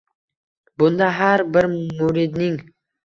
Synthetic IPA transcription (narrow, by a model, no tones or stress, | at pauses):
bʊnd̪ɑɦaɾbɪɾmuɾɪd̪nɪŋ